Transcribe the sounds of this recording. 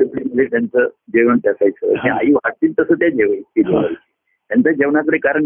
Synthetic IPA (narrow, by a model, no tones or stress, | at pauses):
əplinlet̪jant͡səd͡ʑeʋəɳt̪jasajt͡sə̰ɦĩajiʋaʈt̪iːlt̪əsət̪jad͡ʑeʋət̪id͡ʑeʋaɾi | t̪jant͡sad͡ʑeʋɳak̬əɽekaɾəɳ